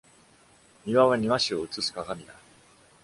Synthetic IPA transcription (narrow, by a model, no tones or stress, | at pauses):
mʲiβaβaɲ̟iβaɕio̞ɯ̟t͡sɨsɨ̥kaɡamʲid̪a